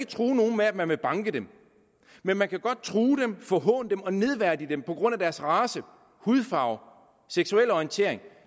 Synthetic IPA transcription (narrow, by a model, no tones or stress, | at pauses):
ɡ̥ət͡sʰʁuːno̝ːn̩meæd̥mænʋe̝b̥ɑ̈ŋɡ̥əd̥em | menmænkʰæɡ̥ɒ̽d̥̚t͡sʰʁuːd̥emfɒ̽ɦɔ̰̽ːnəd̥emɒ̽ne̝ð̞ˠʋæɐd̥id̥empʰɒ̽ɡ̥ʁɔ̽n̰æd̥æɐsʁɑ̈ːsə | huð̞ˠfɑ̈ʊ | seɡ̥suel̰ɒint͡sʰe̝ɐ̰e̝ŋ